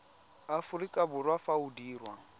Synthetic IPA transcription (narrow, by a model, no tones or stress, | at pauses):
afurikʼabʊrwafaudiːrwa